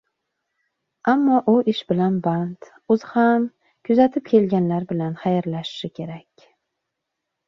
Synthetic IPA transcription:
amːɒʔʊʔɪʃbɪlanbant̪ | ʊzham | kʲʰʊzat̪ʰɪp̚kʲʰe̞lɡʲanlaɾbɪlanχajɾlaʃɪ̥ʃɪkʲʰe̞ɾakʲ

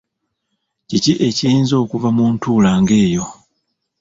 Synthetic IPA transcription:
ciciʔe̞ciiːnzo̞ːkuvamuːntuːlaːŋɡe̞ːjo̞

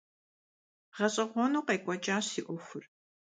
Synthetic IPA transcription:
ʁɐɕʼɐʁʷɔnuːqɐjkʷʼɔt͡ʃʼaːɕiʔʷɔxʷʊr

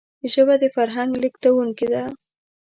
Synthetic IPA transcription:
ʒəbad̪əfaɾɦaŋɡlikt̪awuŋkid̪a

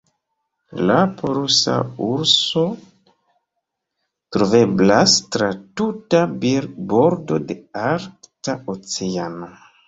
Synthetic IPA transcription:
lapoɾusa̰uɾso̞ | tɾove̞blastɾatutabiɾbo̞ɾdo̞de̞aɾktaʔot͡seano̞

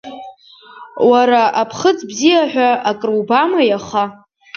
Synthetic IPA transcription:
waɾaapʰχət͡sbzijaħᶣʷaakʼrubamajaχa

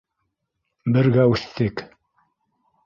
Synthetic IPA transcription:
bɘ̆ɾɡæʉθt̪ɘk

